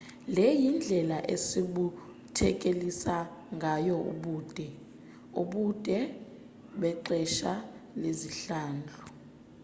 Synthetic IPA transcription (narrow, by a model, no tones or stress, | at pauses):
lɛjind͡ɮʱɛlaʔesiɓu | tʰɛk̬ʼelisaŋɡʱajɔṵɓuːd̥ʼʱɛ | ṵɓud̥ʼʱɛ | ɓɛǃɛʃaleziɬaːnd͡ɮʱɔ